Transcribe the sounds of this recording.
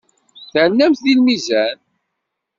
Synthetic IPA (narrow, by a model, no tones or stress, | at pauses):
θəʕənːæmθðilmizæn